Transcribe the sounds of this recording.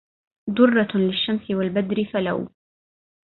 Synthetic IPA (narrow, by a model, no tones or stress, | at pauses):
d̪ʊrˤːɑlɪʃːamsɪwalbad̪ɾɪfala̰w